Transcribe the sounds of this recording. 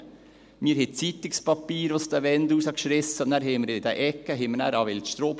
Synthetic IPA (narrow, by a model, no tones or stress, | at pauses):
miːɾhet̪sit̪ːɪkspɑpːiːɾɔst̪æʋɛnd̪usɑkʃɾɛsːɑnæɾheməɾet̪æʔɛkːəɦemənæ̰ɾɑːʋɛlt̪ʃt̪ɾoːp